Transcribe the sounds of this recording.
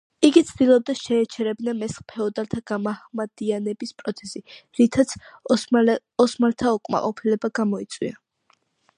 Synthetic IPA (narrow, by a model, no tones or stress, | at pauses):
iɡit̪sʰd̪̥ilˠɔb̚d̪aʃɛːt͡ʃʰɛɾɛbnamɛsχpʰɛɔd̪alt̪ʰaɡ̥amahmad̪̥ianɛbispʼɾɔt̪sʰɛsiɾit̪ʰat̪sʰ | ɔsmalt̪ʰaɔkʼma̰qʼɔpʰilɛbaɡamɔit̪sʼwḭa